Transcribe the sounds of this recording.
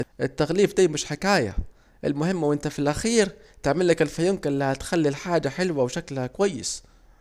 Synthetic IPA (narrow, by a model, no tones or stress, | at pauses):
ʔʔɪt̪ːaɣliːfd̪æːmɪʃħɪkaːja̰ | ʔɪ̰lmʊhɪmːwʔɪnt̪afilʔaxiːɾt̪ɪʕmɪlːɪkɪlfajʊmkɪnlɪhæt̪xalːilħaːd͡ʒaħɪlwawʃaklkwajːɪ̰s